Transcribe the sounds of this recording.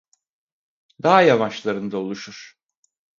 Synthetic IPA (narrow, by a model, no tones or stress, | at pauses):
d̪aɦajavaʃlˠaɾɯnd̪aolˠuʃuɾ̥